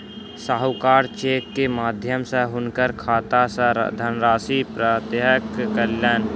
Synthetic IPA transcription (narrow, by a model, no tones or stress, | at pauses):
saːɦəkaːɾt͡ʃeːkːemaːd̪ʱjəmsə̃ɦʊnkəɾkʰaːt̪asəd̪ʱənɾaːsipɾət̪jɦəkːəljaːn